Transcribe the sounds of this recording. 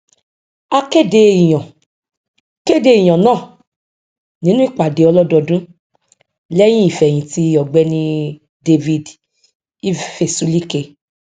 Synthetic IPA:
a˧ke˦˨de˧i˨j̃ã˨ | ke˦˨de˧i˨j̃ã˨nãː˦˨ | nĩ˦nũ˦i˦˨k͡pa˨de˨˦ɔ˧lɔ˦dɔ˧dũ˦ | lɛ˦j̃ĩ˦i˦˨fɛ˨j̃ĩ˨ti˧˦ɔ˨ɡ͡bɛ˧nĩ˧ | de˧vi˧d | i˦fe˨sũ˨˦li˦ke˧

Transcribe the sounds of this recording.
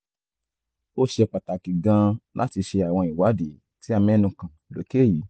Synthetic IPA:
o˦˨ʃe˧˨k͡pa˨ta˨ki˨ɡã˧lʔa̰˦ti˧ʃe˧a˨w̃ɔ̃˧˨i˨wa˨˦de˨˦ | ti˦a˧mɛ̃˦nũ˧kã˨lo̰˨˦ke˦˨ji˨˦

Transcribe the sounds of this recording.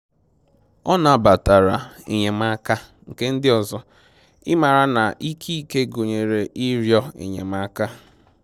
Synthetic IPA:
ɔ˦na˨ba˨ta˨ɾa̰˨ḛ˨ɲe˨ma˦ka˦ŋ̩˨ke˦n̩˦dɪ˦ɔ˨zɔ˦ | ɪ̰˦ma˨ɾa˦na˨ʔi˦kʰi˦ke˦ɡo˨ɲe˨ɾe˨ʔi˦ɾjɔ˦ḛ˨ɲḛ˨ma˦ka˦

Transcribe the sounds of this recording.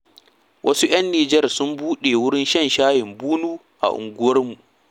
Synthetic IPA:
wʔɐ˦su˦ʔj̰ɐ˦nːiː˨d͡ʒɐ˦˨rsʊ˦mbuː˦ɗe˨wʊ˦ɽɪ˦nʃɐ˦˨nʃaː˦jɪ˨mbuː˦nuː˦ | ʔa̰˨ʔʊ̰˨ŋɡʷʊ˦wɐ˦rmu˨ʔ

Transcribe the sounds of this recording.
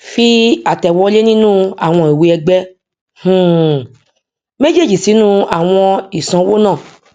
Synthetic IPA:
fi˦a˨tɛ˨wɔ˧˦le˦nĩ˦nũ˦a˨w̃ɔ̃˧i˨wi˧ɛ˧ɡ͡bɛ˦ | hũ˦˨ | me˦d͡ʒe˦˨d͡ʒi˨si˨˦nũ˦a˨w̃ɔ̃˧i˨sã˧˦wo˦nã˦˨

